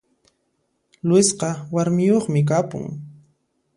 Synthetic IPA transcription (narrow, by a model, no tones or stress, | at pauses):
lʊɪsqɑwaɾmɪjoχmɪk̬apʊ̰ŋ